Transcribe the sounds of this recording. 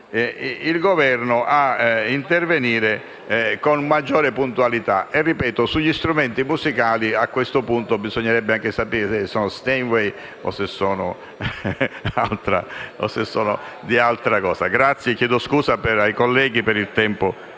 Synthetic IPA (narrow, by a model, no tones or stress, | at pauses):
ilɡovɛrnʊʔaint̪erveniːɾe | konmad͡ʒːɔːɾɪpunt̪ualit̪aerːipɛːt̪osuʎːist̪ɾumɛnt̪imuzikaːliakːwest̪ʊpunt̪obizɔɲːeɾɛbːeaŋkɪsapiːɾesesːɔːnost̪enwɛj | o̰sesːɔːnʊ̰ | alt̪ɾa̰o̰sesːɔːno | d̪ialt̪ɾakɔːsaɡɾat̪sːjekjɛːd̪oskuːzapeajkolːɛːɡipɪɾilt̪ɛmpʊ